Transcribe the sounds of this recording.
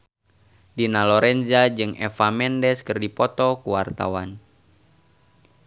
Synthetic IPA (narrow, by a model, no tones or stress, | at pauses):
dinalɔɾɛnzad͡ʒɨŋɛ̰famɛndɛskɨrdipɔt̪ɔkuwart̪a̰wan